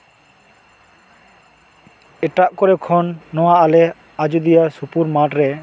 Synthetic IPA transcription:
ɛʈaʔkɔɾɛkʰɔnːɔwaʔalɛ | ad͡ʒud̪ijasupuɾmaʈɾɛ

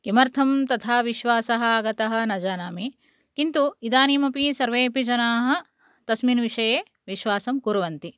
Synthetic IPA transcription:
kimɐɾt̪ʰɐmt̪ɐt̪ʰaːʋiʃʋaːsɐɦɐ̆aːɡɐt̪ɐɦɐ̆nɐd͡ʒaːnaːmi | kint̪uid̪aːniːmɐpisɐɾʋeːpid͡ʒɐnaːɦɐ̆ | t̪ɐsminʋiʂɐjeː | ʋiʃʋaːsɐmkuɾɐʋɐnt̪i

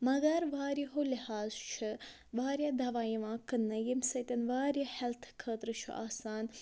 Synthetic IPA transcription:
mɐɡɐɾʋaːɾjiɦolihaːzt͡ʃʰɨ | ʋaːɾjad̪ɐʋaːjiʋãːkɨnːɐjimsɐt̪ʲɐnʋaːɾjahɛlt̪ʰkʰəːt̪ɾɨt͡ʃʰṵʔa̰ːsaːn

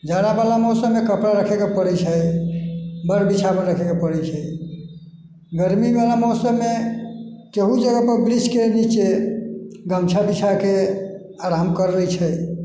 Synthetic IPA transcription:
d͡ʒaɽabalamɔsəmekəpɽaɾəkʰekepəɽɛt͡ʃʰəj | bəɾbit͡ʃʰameɾəkʰekepəɽɛt͡ʃʰəj | ɡəɾmibalamɔsəme | keɦud͡ʒəɡəpəɾbɾid͡ʒkenit͡ʃe | ɡəmt͡ʃʰabit͡ʃʰake | aɾamkəɾːəjt͡ʃʰəj

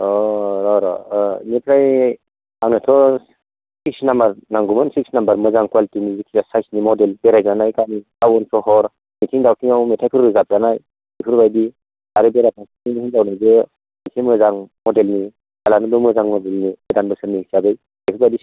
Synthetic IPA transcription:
ɔɾɔɾɔnipɾaj | aŋnɯtʰɔ | sik̚snambaɾnaŋɡumɯnsik̚snambaɾmɯzaŋkuwalitinizikʰijasajsnimɔdelbeɾajzanajkanikawɔnsʰɔɦɔɾ | mitʰiŋdawkʰiŋawmetʰajpʰɯɾɯzap̚ɾanaj | epʰɯɾbajdi | aɾɯbeɾat̚asiinihiŋdawnajzɯ | mitʰimɯzaŋmɔdelni | kalanɯbɯmɯzaŋmɔdelnibedanbɯsɯniiksabɯj | epʰɯɾbajdi

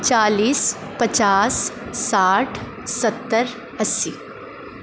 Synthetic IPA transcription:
t͡ʃaːliːs | pɐt͡ʃaːsːaːʈʰ | sɐt̪ːəɾ | ɐsːi

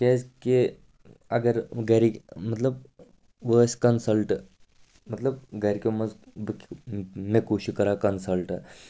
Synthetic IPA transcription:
kʲed͡zke | ɐɡəɾɡaɾimət̪ləb | ʋəskənsəlʈ | mət̪ləbɡaɾikeməzbkmekuɕikəɾakənsəlʈ

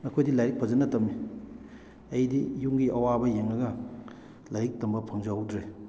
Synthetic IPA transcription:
mɐkʰojdilajɾik̚pʰɐzɐnɐtɐmi | ɐjdijuŋɡiʔɐwabɐjeŋlɐɡɐ | lajɾik̚tɐmbɐpʰɐŋzawdɾe

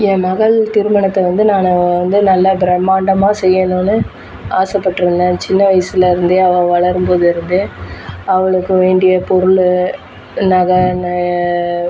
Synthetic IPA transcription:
jẽːmɐɣɐɭt̪ɪɾɯmɐɳɐt̪ːɐʋɐnd̪ɯnaːnɐʋɐnd̪ɯnɐlːabɾɐmːaːɳɖɐmaːsɛjːɐnõːnɯ | aːsɐpːɐʈːɯɾɯnd̪ẽːnt͡ʃɪnːɐʋɐjsɪlɪɾɯnd̪eːɐʋɐ̃ʋɐɭɐɾɯmpoːðɯɪɾɯnd̪eːɐʋɐɭɯkːɯʋeːɳɖɪjɐpɔɾʊɭ | nɐɣɐn

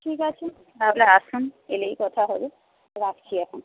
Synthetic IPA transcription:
ʈʰikat͡ɕʰe | bablaaʃunelejkɔt̪ʰaɦolo | ɾakt͡ɕʰiɛkʰon

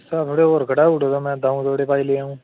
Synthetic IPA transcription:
saːt̪ʰoːɽeːoːɾɡəɽaːuʈod̪oːmɛ̃ːd̪aːũt̪oːɽeːpaːileːaːũː

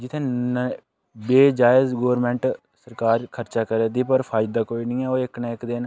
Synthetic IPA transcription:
d͡ʒɪt̪ʰːẽːn | beːd͡ʒaːɪzɡoːəɾmɛ̃ːɳʈ | səɾkaːɾkʰəɾt͡ʃaːkəɾeːd̪iːpəɾpʰaːɪd̪d̪aːkoːiːnĩːɛːoːɪknaːɪkd̪ɪn

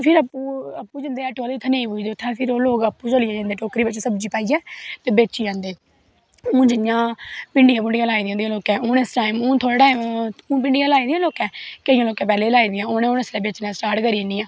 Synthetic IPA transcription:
pʰɪɾəpuːəpːuːd͡ʒɪnd̪eːɛːʈoːleːt̪ʰənẽːĩːpʊːd̪eːʊt̪ʰːɛ̃ːpʰɪɾoːloːkəpːũːt͡ʃəlijɛːd͡ʒãnd̪eːʈoːkɾiːbɪt͡ʃsəbd͡ʒiːpaːiːɛːt̪eːbeːt͡ʃiːd͡ʒãːnd̪eː | ũːd͡ʒɪjãːpɪɳɖɪjãːp̬ɪɳɖɪjãːlaːiːd̪ɪjãːd̪ĩːloːkɛːoːnesʈaːimũːt̪ʰoːɽːʈaːimũːp̬ɪɳɖɪjãːlaːiːd̪ijãloːkɛːkəijãːloːkɛ̃ːpɛːleːlaːiːd̪ɪjãːoːnẽoːneslɛːbeːt͡ʃnaːsʈaːɾʈkəɾiːniːãː

